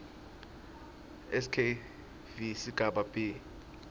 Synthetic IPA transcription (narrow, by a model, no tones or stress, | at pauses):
ɛskʰe | visiɡ̥ʱaɓab̥i